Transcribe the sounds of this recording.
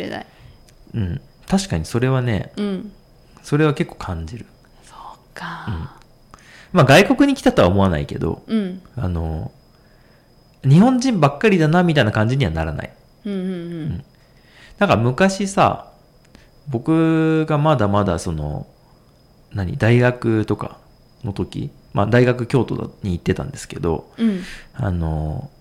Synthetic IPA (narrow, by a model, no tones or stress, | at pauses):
ea̰ | ɯ̟̃ɴ | t̪aɕi̥kaɲ̟iso̞ɾe̞β̞ane̞̰ | so̞ɾe̞β̞ake̞kːo̞̥ːkʰãɲ̟d͡ʑiɾɯ̟ | so̥kaɯ̟̃ɴ | maɡaiko̞kɯ̟ɲ̟ikʲi̥t̪at̪o̞a̰omo̞ana̰ike̞d̪o̞̰a̰no̞̰ | ɲ̟ihõ̞ɲd͡ʑĩmbakːaɾʲid̪anamʲit̪ainakãɲ̟d͡ʑiɲ̟iβa̰na̰ɾana̰ĩ | ɯ̟̃ɴ | nãŋkamɯ̟kaɕisa̰ | bo̞kɯ̟ɡamad̪amad̪a̰so̞no̞̰ | naɲ̟ḭd̪aiɡakɯ̟t̪o̞ka̰ | no̞t̪o̞kʲḭ | ma̰d̪aiɡakɯ̟kʲo̞ːt̪o̞̰d̪a̰ɲ̟iːt̪ːe̞t̪ã̰nd̪e̞sɨ̥ke̞d̪o̞̰ | a̰no̞̰